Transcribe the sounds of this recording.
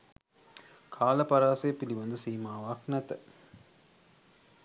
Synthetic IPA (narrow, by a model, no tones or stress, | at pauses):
kʰaːlɐpɐɾaːsɐjɐpiliʋɐnd̪ɯsiːmaːʋaːknɐt̪ɐ